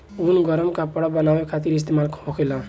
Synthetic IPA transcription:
unɡʌɾəmkapɔɽabʌnabekʰat̪iɾis̬t̪emalkhokʰelã

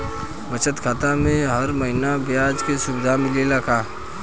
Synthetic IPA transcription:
bɐt͡ʃət̪kʰaːt̪amẽɦɐɾmɐɦɪnabjaːd͡ʒkesʊbɪd̪ʱamɪlelakʰaː

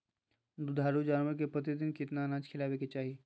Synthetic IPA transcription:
d̪ʊd̪ʱaːɾud͡ʒaːnmək̬epət̪̬id̪ɪnkɪt̪nanãːt͡ʃkʰɪlaːbeket͡ʃaːɦie

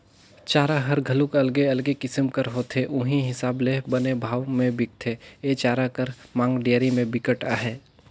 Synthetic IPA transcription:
t͡ʃaːɾaɦɐɾɡʱəlʊkɐlɡeɐlɡekɪsəmkəɾɦoːt̪ʰeʔʊ̃ɦĩɦɪsaːblebənebʱaːʋmẽbɪk̚t̪ʰeet͡ʃaːɾakəɾmãːŋɡɖijəɾimẽbɪkəʈaːɦɛː

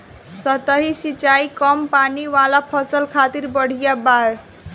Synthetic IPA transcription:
sʌt̪ʌɦisit͡ʃajkʌmpaniwalapʰʌsʌlkʰat̪irbʌɽ̤ijabaɾ

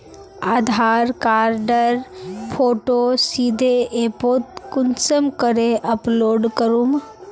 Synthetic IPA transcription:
aːd̪ʱaɾkaɾɖəɾpʰoːʈosid̪ʱeepot̪kunsəmkəɾeʔəploːɖkəɾum

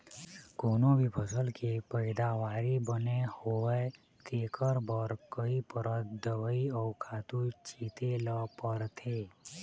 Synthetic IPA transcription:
koːnõbʱipʰəsəlkepəɪd̪aʋaːɾibənehowə | t̪eːkʰəɾbəɾkəipəɾət̪d̪əʋəiɔːkʰaːt̪ut͡ʃiːt̪eləpəɾt̪ʰeː

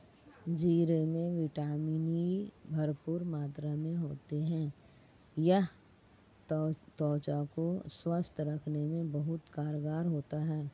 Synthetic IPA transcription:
d͡ʒiːɾemẽʋɪʈaːmiːnibʱɐɾpuːɾmaːt̪ɾamẽɦoːt̪eɦɛ̃ː | jɐɦ | t̪ɔːt͡ʃakoswəst̪ʰɾɐkʰnemẽbɐɦʊt̪kaːɾɡaːɾɦoːt̪aɦɛː

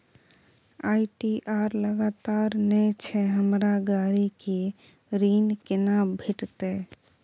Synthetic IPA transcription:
aiʈiʔaɾləɡat̪aɾnɛt͡ʃʰɛɦəmɾaɡaɾike | ɾinkenabʱiʈt̪e

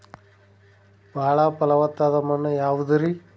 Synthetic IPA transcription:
bʱaːɭɐpɐlɐʋɐt̪ːaːd̪ɐmɐnːɐjaːʋud̪ɐɾi

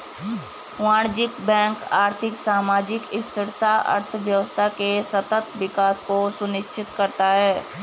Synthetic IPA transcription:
ʋãːɽ̃d͡ʒɪkbɛ̃ːŋkaːɾt̪ʰɪksaːmaːd͡ʒɪkɪst̪ɪɽt̪aɐ̰ɾt̪ʰʋjɐʋəst̪ʰakesɐt̪ət̪ʋɪkaːskosʊnɪʃt͡ʃʰɪt̪kɐɾt̪aɦɛː

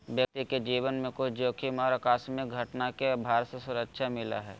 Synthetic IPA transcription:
bjək̚t̪iked͡ʒiːʋənmẽkʊt͡ʃʰd͡ʒoːkʰimɔːɾɐkaːsmẽɡʱɐʈnakebʱaːɾsesʊɾəkʃʰamɪla̰ɦɛ̰ː

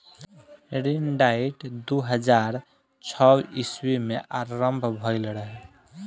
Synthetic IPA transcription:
ɾinɖaiʈd̪uɦəd͡ʒaɾ | t͡ʃʰɔwiswimeʔaɾːəmbʱbʱɔjlɾəɦɛ

